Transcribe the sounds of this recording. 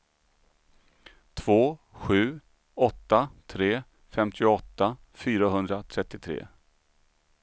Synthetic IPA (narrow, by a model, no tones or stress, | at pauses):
t̪ʰv̥oːɧʉ̟ː | ɔt̪ːat̪ʰɾeː | fɛmt̪ʰɪʊɔt̪ːa | fyːɾaɦɵnd̪ɾat̪ʰɾɛt̪ːɪt̪ʰɾḛː